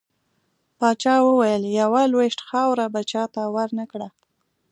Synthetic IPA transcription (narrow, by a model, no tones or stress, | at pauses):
pɑt͡ʃɑwəwajəljawalweʃʈxɑwɾabat͡ʃɑt̪awaɾnakɽa